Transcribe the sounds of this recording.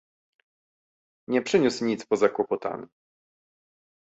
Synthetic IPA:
ɲɛpʂɘɲusɲit̪spɔzakwɔpɔt̪a̰nʲ

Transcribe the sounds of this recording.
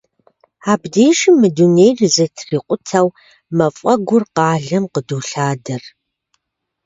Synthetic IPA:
aːbdeːʃimɨduneːjrɨzɐtʰriːqʷʼʊtʰɐw | mɐfʼɐɡʷʊrqɑːɮɐmqəduːɬaːdɐr

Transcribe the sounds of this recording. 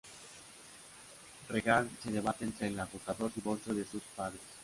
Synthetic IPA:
reɣalseðeβat̪eent̪ɾelakusaðoɾðiβoɾsoðesuspaðɾes

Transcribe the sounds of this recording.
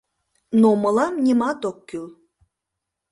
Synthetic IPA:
nomɤlˠɑmnʲimɑt̪okːyl

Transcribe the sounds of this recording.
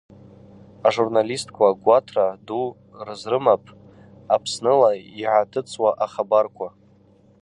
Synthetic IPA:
aʐurnalistʰkʷʰaɡʷatʰradu | rɨzrɨmapʼʰ | apʰsnɨlaiʕatʰɨt͡sʰʼwaʔaχabarkʷʰa

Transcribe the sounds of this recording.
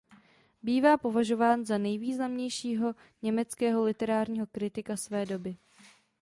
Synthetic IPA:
biːvaːpo̞vaʒo̞vaːnzanɛjviːznamɲɛjʃiːɦo̞ | ɲɛmɛt͡skɛːɦo̞lɪt̪ɛɾaːɾɲiːɦo̞kɾɪt̪ɪkasvɛːdo̞bɪ

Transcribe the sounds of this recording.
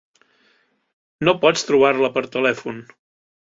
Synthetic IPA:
nopɔt͡st̪ɾuβ̞aɾləpəɾt̪əlɛfun

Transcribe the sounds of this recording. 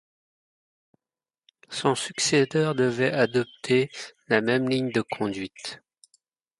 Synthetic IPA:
sɔ̃syksed̪œʁd̪əvɛʔad̪ɔp̚t̪ʰelamɛmliɲd̪əkʰɔ̃d̪ɥit̪

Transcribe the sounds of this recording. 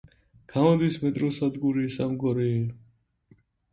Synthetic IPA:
ɡ̥amɔnd̪ismɛt̪ʼɾɔsad̪ɡuɾisamɡɔɾɛːl

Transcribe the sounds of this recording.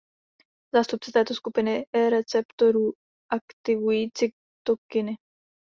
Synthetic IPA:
zaːst̪up̚t͡sɛt̪ɛːt̪oskupɪnɪɛɾɛt͡sɛpt̪oɾu | ʔakt̪ɪvujiːt͡sɪ | t̪okɪnɪ

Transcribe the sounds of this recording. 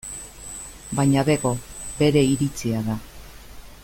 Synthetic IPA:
baɲaðeɣo̞be̞ɾe̞iɾit͡siaða

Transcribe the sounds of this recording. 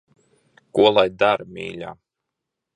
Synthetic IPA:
kuɔlˠajd̪aɾmʲḭːlʲa̰ː

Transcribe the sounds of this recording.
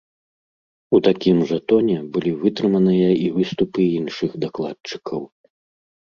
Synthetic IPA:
ut̪akʲimʐɐt̪ɔnʲɛbɨlʲivɨt̪ɾɨmɐnɨjɐivɨst̪upɨinʂɨxd̪aklˠat̪̚t͡ʂɨ̥kʰɐw

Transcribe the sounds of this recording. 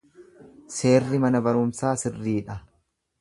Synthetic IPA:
se̞ːrːɪmɐnɐbɐɾʊmsaːsɪrːiːᶑɐ

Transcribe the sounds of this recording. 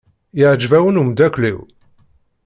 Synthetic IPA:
jəʕd͡ʒvæwənumd̪ækʷlḭw

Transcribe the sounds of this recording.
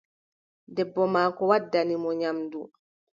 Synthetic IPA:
dɛbːɔmaːkɔwadːanimɔɲamdu

